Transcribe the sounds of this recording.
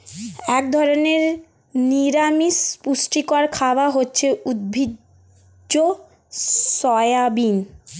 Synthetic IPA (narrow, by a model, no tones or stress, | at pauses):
ɛk̚d̪ʱɔɾoneɾ | niɾamispusʈikoaɾkʰabaɦotːɕʰeud̪̚bʱi | o | sɔeabin